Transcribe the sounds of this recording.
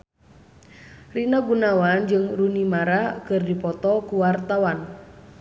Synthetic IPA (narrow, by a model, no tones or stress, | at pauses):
rinaɡunawand͡ʒɨŋrunimaɾakɨrdipɔt̪ɔkuwart̪awan